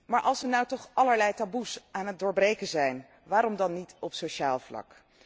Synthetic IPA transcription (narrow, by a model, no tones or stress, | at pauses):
maːɹʔɑlˠsənawtɔχʔɑləɹlɛjtabusaːnɦət̚doːɹbrejkənzɛjn | ʋaːɾɔmdɑnːitɔpsoʃaːlˠvlɑ̰k